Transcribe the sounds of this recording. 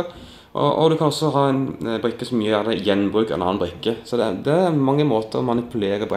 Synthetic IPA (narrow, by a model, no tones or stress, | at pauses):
ʔɔ̰ʔɔ̰d̪ʉkʰɑnɔsːɔɦɑːɛɪnbɾʏkːəsɔmjyəjæd̪əɛjɛnːbʁʉːkɛ̰nɑ̰ːɑnbʁɾʏkːəsɔd̪ɛd̪ɛmɑŋːəmoːt̪ʰəɾɔ̰mɑnɪpʉleːɾəpʰɔ